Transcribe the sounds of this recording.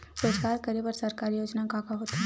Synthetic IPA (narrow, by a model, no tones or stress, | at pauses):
pɾoːd͡ʒkaːɾkəɾebəɾsəɾkaːɾijoːd͡ʒnakaːkaɦoːt̪ɛ